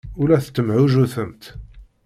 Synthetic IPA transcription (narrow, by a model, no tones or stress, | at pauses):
ulæθə̥t͡s̪ːəmʕuʒuθəmt̪